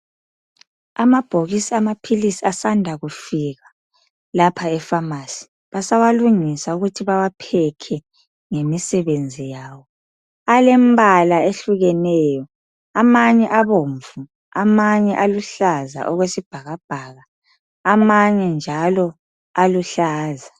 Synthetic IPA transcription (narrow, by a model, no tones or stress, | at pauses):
amab̥ʱoɣisiamapʰilisiasandʱaɣufiɣa | lapʰaɛfamasi̥ | βasawaluŋisauɣutʰiβawapʰɛkʰɛ | ŋemisɛβend͡zʱijaːwɔ | alɛmbʱalaeɬuɣɛnɛjɔ | amaɲɛʔaβoɱvu | amaɲɛʔaluɬaza̰ʔɔɣwesib̥ʱaɣab̥ʱaɣa | amaɲɛnd͡ʒʱalɔ | aluɬaːza